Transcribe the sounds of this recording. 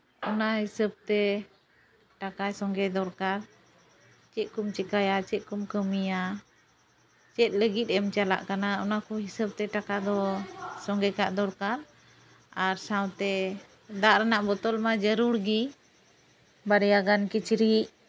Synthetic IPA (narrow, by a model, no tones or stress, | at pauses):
ʔɔnaɦisəb̚t̪ɛ | ʈakajsɔŋɡɛd̪ɔɾkaɾ | t͡ʃɛʔ̚kumt͡ʃɛkajat͡ʃɛt̪̚kumkəmija | t͡ʃɛt̪̚ˀləɡit̪̚ˀɛmt͡ʃala̰ʔkanaɔnakɔɦisəb̚t̪ɛʈakad̪ɔsɔŋɡɛkaʔd̪ɔɾkaɾ | aɾsawt̪ɛ | d̪aʔɾɛnaʔbɔt̪ɔlmad͡ʒəɾuɾɡi | baɽɛjaɡankit͡ʃɾiʔ